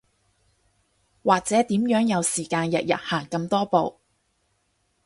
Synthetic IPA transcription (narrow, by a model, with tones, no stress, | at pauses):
waː˨k̚t͡sɛː˨˥t̪iː˨˥mjœː˨˥ŋjɐ˨˧wsiː˨˩kaː˧njɐ˨t̚jɐ̰˨t̚haː˨˩ŋkɐ˧mt̪ɔː˥po˨˧w